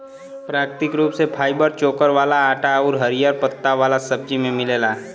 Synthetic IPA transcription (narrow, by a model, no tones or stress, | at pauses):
pɾaːkɾt̪ɪkɾuːpsepʰaːibəɾt͡ʃoːkəɾʋaːlaaːʈaɔːɾɦɐɾijaɾpət̪ːaʋaːlasɐb̚d͡ʒimẽmɪleːlaː